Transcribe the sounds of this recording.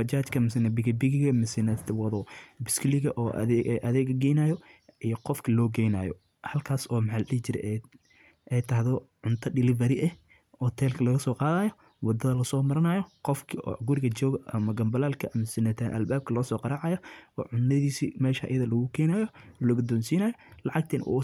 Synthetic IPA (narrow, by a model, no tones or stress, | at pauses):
fɐt͡ʃaːt͡ʃkʰɐmɪsɪnɐbɪɡɐbɪɣɪɣɐmɪsɪnɐt̪wɐðɔbɪskʰlɪɣɐʔɔːʔʔɐðɛːɡɐɡɛjnaːjɔʔijɔqɔfkʰɐlɔːɡɛjna̰ːjɔ̰ | hɐlkʰaːsɔːmħalɗɪhɪt͡ʃɪɾɛ̰ʔ | ɛjt̪ʰɐɦðɔʕʊnt̪ʰɐɖɪlɪvɐɾɪʔɛh | hɔt̪ʰɛːlkʰɐlɐɣɐsɔːqɑːðaːjɔ | wɑd̪ɐðɐlɐsɔːmɐɾɐnajɔqɔfkʰiɔ̰ːɡʊɾɪɣɐt͡ʃɔːɣɐʔɐmɐɡɐmbɐlaːlkʰɐʔɐmɪsɪnɐt̪ʰaːnʔɐ̰lbaːb̚kʰɐlɐːsɔːqɑɾɑʕɑjɔɔ̰ːʕʊnːɐðiːsimɛːʃɐʔɐ̰jɐðɐlɐɣʊkʰɛːnaːjɔlɐɣʊd̪ɔːnsiːnɐːjɔlɑʕɑɡ̚t̪ʰɛːnʔṵ